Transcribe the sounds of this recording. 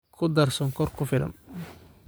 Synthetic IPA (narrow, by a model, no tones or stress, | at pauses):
kʰʊd̪ɐrsɔŋkʰɔrkʰʊfɪlɐ̰n